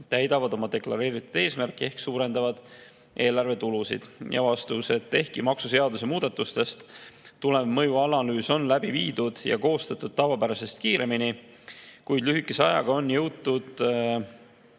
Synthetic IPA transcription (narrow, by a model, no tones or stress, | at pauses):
t̪æjd̪̥ɑvɑd̪o̞mɑd̪e̞klɑɾe̞ːɾit̪ːˑud̪̥e̞ːsmærkːˑie̞hksuːɾe̞nd̪ɑvɑd̪̥ | ʔe̞ːlɑrve̞t̪ulusḭd̪̥jɑ̰vɑst̪use̞t̪ːe̞hkimɑksuse̞ɑd̪use̞muːd̪̥ɑt̪ːˑust̪e̞st̪t̪ːule̞vmɤjuɑlɑlyːso̞nlæbiviːd̪̥ud̪̥jɑ̰ko̞ːst̪ɑt̪ːˑud̪̥̚t̪ːɑvɑpæɾɑse̞st̪̚kiːɾe̞mini | kujd̪lyɦikːˑese̞ɑ̰jɑ̰ɡ̥ɑo̞njɤwt̪ːˑud̪̥